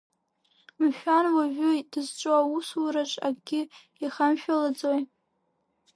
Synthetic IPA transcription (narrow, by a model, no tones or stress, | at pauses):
mʃᶣanwaʒʷᶣʊd̥ɨzt͡ʃʷʼoawuswaɾaʈ͡ʂʼa̰ɡɡʲɪ | iχamʃᶣalad͡zoj